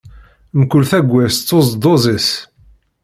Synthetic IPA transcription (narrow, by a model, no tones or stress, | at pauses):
mkʊlθæɡʷːæst͡sːozd̪ˤozˤis